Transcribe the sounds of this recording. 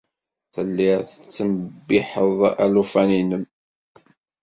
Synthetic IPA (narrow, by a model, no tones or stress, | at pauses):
θəlːiʁθət͡sːəməbɪħəðˤæ̰lufæninəm